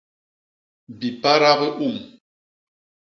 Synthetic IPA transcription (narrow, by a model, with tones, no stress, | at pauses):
bi˨pa˦ɾa˦ɣə˦ʔu˦˨m